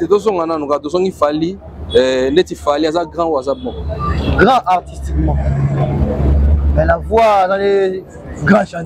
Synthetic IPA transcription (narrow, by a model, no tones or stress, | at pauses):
edõs̬ɔ̃ŋɡanãnũkadõs̬ɔ̃ŋifali | netifaliazaɡɾãwazabɔ̃ɡɾãʔaɾtistikmã | mɛ̃lavuanãle | ɡãʃã